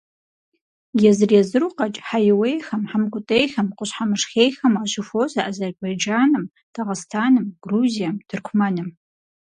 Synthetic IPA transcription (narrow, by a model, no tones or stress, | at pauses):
jɛzɨrjɛzɨruqɐt͡ʃʼħajɪwejxɐmħamkʷʼʊtʼejxɐmqʷʊɕħamɨʂxeːjxɐmaːɕʊfoːzɐʔazɐrbajd͡ʒaːnɨm | tʰaʁɨstʰaːnɨmɡ̥ruːzijɐmdʰɨrkʷʰʊmɐnɨm